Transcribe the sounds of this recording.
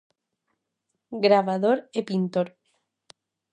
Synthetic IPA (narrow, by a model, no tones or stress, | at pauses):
ɡɾaβaðoɾepint̪oɾ